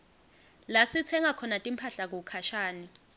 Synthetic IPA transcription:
lasit͡sʰɛŋakʰɔnatʼimpʰaɬak̬ukʰaʃaːni

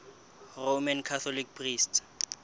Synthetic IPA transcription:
romankʰat̪ʰɔlik̚pʰriːstʰ

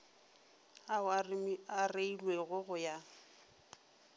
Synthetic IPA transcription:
a | areilweɣʊɣʊja

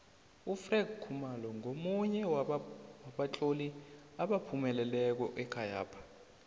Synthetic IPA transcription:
ufrɛɡ̚kʰːumalɔŋomuɲɛwwaɓat͡ɬʼoli | aɓapʰumɛlɛlɛk̬ɔʔɛkʰaja̰ːpʰḁ

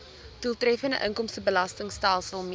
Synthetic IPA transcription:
d̥ulˠtrɛfəndəʔəŋkɔmstəbəlɐstəŋstaːlˠsəlˠm

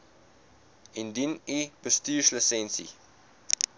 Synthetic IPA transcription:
ind̪inipəst̪iʃləsẽnsḭ

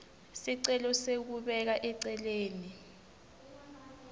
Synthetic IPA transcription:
siǀɛlɔsek̬uɓɛk̬aʔɛǀɛleːni

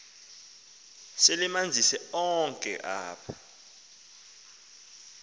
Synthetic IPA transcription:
selimand͡zʱisɛɔŋkʼɛ̰ʔaːpʰḁ

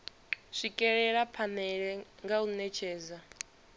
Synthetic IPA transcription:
ʂikʼɛɺɛɺapʰanɛɺɛŋɡaunɛt͡ʃʰɛːza

